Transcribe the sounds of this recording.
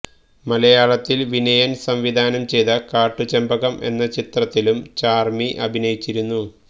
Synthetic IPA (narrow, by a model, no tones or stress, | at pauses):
mɐlɐjaːɭɐt̪ːilʋinɐjɐnsɐmʋid̪ʱaːnɐmt͡ɕe̞jðɐkaːʈːut͡ɕɐmbɐɣɐmʔe̞̰nːɐt͡ɕit̪rɐt̪ːilumt͡ɕaːrmiʔɐbʱinɐjit͡ɕːiɾunːu